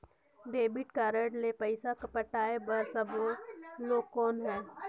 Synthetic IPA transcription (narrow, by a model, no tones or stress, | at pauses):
d̪eːbɪʈkaɾəɖlepəɪsakəpəʈaːebəɾsəboloːɡkɔːnɦɛː